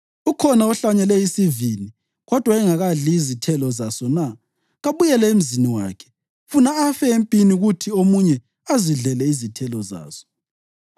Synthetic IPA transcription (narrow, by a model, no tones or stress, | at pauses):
ukʰɔnaɔɬaɲɛlɛisivini | ɣɔd̥ʱwaɛŋaɣaɮiːzitʰɛlɔzasɔna | ɣaβujɛlɛem̩ziniwa̰ːkʰɛ̥ | funaːfɛempʼiniɣutʰiomuɲɛ | aziɮɛlɛizitʰɛlɔza̰ːsɔ̥